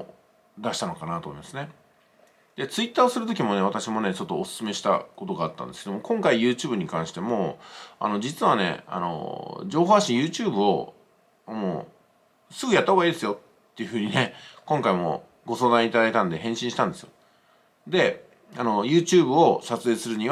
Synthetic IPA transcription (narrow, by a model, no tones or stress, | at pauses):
d̪aɕi̥t̪ano̞kanat̪o̞mo̞imasɨne̞ | d̪̥e̞t͡sɨit̪ːaːosɨɾɯ̟t̪̬o̞kʲimo̞ne̞β̞at̪aɕimo̞ne̞t͡ɕo̞t̪ːo̞ːsɨ̥sɨme̞ɕi̥t̪a̰ko̞t̪o̞ɡaːt̪ːa̰nde̞sɨ̥ke̞d̪o̞mokõ̞ŋkaijɯ̟ːt͡ɕɨːbɯ̟ɲ̟ikãɰ̃ɕi̥t̪e̞moa̰no̞d͡ʑit͡sɨβane̞̰a̰no̞̰d͡ʑo̞ːɦoːɕaɕĩjɯ̟ːt͡ɕɨːbɯ̟o | moː | sɨɡɯjat̪ːahɦoɡaiːd̪esɨjo̞t̪ːe̞jɯ̟ɸɯ̟ːɲ̟ine̞kõ̞ŋkaimo̞̰ | ɡo̞so̞ːd̪ãɲ̃it̪ad̪ait̪ãnd̪e̞ɦẽ̞ɕĩɕi̥t̪ãnd̪e̞sɨjo | d̪e̞ | ano̞jɯ̟ːt͡ɕɨːbɯ̟o̞sat͡sɨeːsɨɾɯ̟ɲ̟iβ